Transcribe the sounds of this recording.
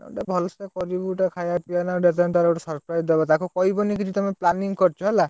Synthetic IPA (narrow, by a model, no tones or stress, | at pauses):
ʈabʱɔlsekɔɾibuʈakʰajapianaɖet̪ant̪aɾeʈɔsɔɾpɾajzd̪ebɔt̪akukɔɦibɔnik̬it͡ʃʰit̪ɔmeplaniŋkɔɾt͡ʃʰɔɦela